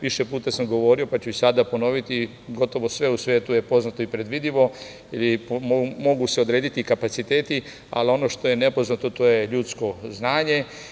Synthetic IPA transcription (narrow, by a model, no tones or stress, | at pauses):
ʋiʃepuːt̪asamɡo̞ʋo̞ːɾio̞pat͡ʃuisad̪apo̞no̞ʋit̪i | ɡo̞t̪o̞ʋo̞sʋe̞usʋeːt̪uje̞po̞znat̪o̞ipɾe̞d̪ʋid̪iʋo̞ | ilipomo̞ɡuse̞od̪ɾeːd̪it̪ikapat̪sit̪e̞ːt̪i | a̰lio̞no̞ʃt̪o̞je̞nepo̞znat̪ot̪oːje̞ʎuːt̪sko̞znaːɲe̞